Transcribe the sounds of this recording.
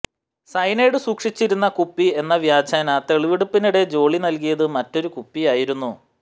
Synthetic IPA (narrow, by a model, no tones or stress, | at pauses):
sɐjne̞ːɽɨsuːkʂit͡ɕːiɾunːɐkupːie̞nːɐʋjaːd͡ʑaːnɐt̪eɭiʋiɽupːinuɽe̞d͡ʑo̞ːɭinɐlk̬ijɐðɨmɐtːo̞ɾukupːijaːjiɾunːu